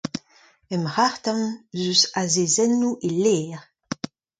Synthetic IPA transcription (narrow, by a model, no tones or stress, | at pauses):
ɛmʁaʁt̪ãnzysazezɛnːuʔeleːʁ